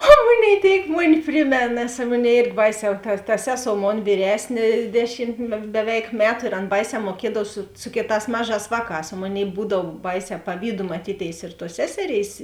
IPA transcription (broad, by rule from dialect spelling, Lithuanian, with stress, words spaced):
oː ˈmʊˌnʲeːɪ tʲeːɪk ˈmʊˌnʲɪ ˈpʲrʲɪmʲeːn nʲɛs ˈmʊnʲɛɪ ˈeːrʲɡʲɪ ˈbɐɪˌsʲɛː tɐ tɐ ˈsʲæːˌsoːʊ ˈmoːn ʋʲiːˈrʲæːsʲnʲeː ˈdʲæːˌʃʲɪm bʲɛˈʋʲɛɪk ˈmʲæːtʊ ɪr ˈɐn ˈbɐɪˌsʲɛː muɔˈkʲiɛdɐw sʊ ˈsʊ kʲeːˌtɑːs ˈmɑːˌʒɑːs ʋɑːˌkɑːs oː ˈmoːˌnʲeːɪ ˈbuːdɐw ˈbɐɪˌsʲɛː pɐˈʋʲiːdʊ mɐˈtʲiːtʲeːɪs ɪr tuɔs ˈsʲæːsʲɛˌrʲeːɪs